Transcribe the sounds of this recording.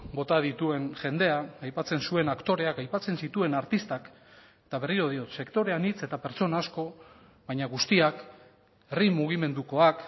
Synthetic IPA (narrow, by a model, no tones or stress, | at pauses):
bo̞t̪aðit̪ue̞nʝe̞nd̪e̞aːjpat͡se̞nsue̞nakt̪o̞ɾe̞akajpat͡se̞nsit̪ue̞naɾt̪ist̪ak | t̪aβ̞e̞riɾo̞ð̞io̞t̪se̞kt̪o̞ɾe̞anit͡se̞t̪ape̞ɾt͡so̞naːsko̞ | βajɲaɣust̪iak | erimuɣ̞ime̞nd̪uko̞ak